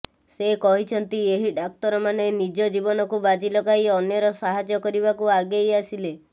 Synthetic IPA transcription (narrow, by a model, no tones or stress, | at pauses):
sekɔɦit͡ʃʰɔnt̪ieɦiɖak̚t̪ɔɾɔmanenid͡ʒɔd͡ʒibɔnɔkubad͡ʒilɔkaiɔnjɔɾɔsaɦad͡ʒjɔkɔɾiβakuaɡejasile